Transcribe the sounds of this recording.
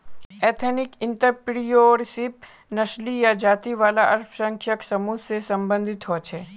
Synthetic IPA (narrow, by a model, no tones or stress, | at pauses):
ɛːt̪ʰenɪkɪ̃nt̪əɾpɽijoɾɪsɪp̚ | nɐʃlijad͡ʒaːt̪iʋaːlaʔɐɾpʰsə̃ŋkʰjəksɐmusesɐ̃mbə̃nd̪ʱɪt̪ɦoːt͡ʃʰeː